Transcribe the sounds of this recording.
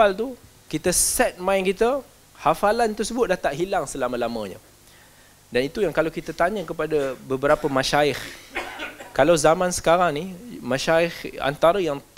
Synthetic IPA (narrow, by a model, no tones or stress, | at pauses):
alt̪u | kit̪əsɛt̪̚mãɪnkit̪ə | hafalant̪ərsəbʊt̪̚daht̪aʔɦilaŋsəlamə̃lamə̃ɲə̰ | danit̪ujaŋkalawkit̪at̪aɲə̃kəpadabəbəɾapəmãʃaɪx | kalawzamãnsə̥kaɾaŋnimãʃaɪxa̰nt̪aɾəjaŋt̪